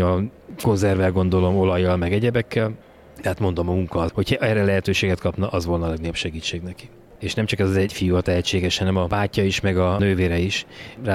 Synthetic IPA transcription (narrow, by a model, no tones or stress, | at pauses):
ɒ | ko̞nzɛrvɛlɡo̞nd̪o̞lo̞mo̞lɒjːɒlmɛɡɛɟɛbɛkʰːɛl | d̪ɛɦat̪mo̞nd̪o̞mɒmuŋkɒho̞cʰʔɛrːɛlɛɦɛt̪øːʃeːɡɛt̪kɒpnɒʔɒzvo̞lnɒːlɛɡnɒjopʃɛɡiːt͡ʃːeːɡnɛki̥ | eːʃnɛmt͡ʃɒkɛzɒzɛcfijuɒt̪ɛɦɛt͡ʃːeːɡɛʃhɒnɛmɒbaːcːɒiʃmɛɡɒnøːveːɾɛiʃra